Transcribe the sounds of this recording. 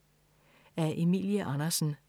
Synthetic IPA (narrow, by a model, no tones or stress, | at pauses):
æɐʔe̝mḭljəʔɑnɐsn̩